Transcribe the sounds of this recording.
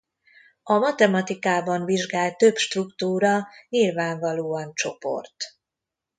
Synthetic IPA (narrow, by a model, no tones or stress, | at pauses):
ɒmɒt̪ɛmɒt̪ikaːbɒɱviʒɡaːlt̪t̪ø̞bʃt̪rukt̪uːɾɒɲilvaːɱvɒloːɒnt͡ʃo̞po̰rt̪